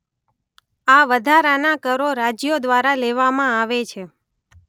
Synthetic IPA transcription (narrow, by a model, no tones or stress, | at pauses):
aʋəd̪ʱaɾanakəɾoɾad͡ʒjod̪ʋaɾaleʋamãaʋet͡ʃʰe